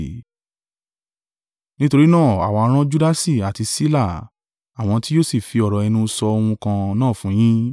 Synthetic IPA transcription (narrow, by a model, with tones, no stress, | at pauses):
nĩ˦to˧ɾi˦nãː˦˨a̰˨wa˨˧˦ɾ̃ã˦d͡ʒu˦da˦si˦˨a˨ti˧si˦la˦˨ | a˨w̃ɔ̃˧ti˦jo˦si˦˨fi˨˧ɔ˨ɾɔ˨ɛ˧nũ˧sɔ˧o˧hũ˧kã˧nãː˦˨fũ˨˦j̃ĩ˦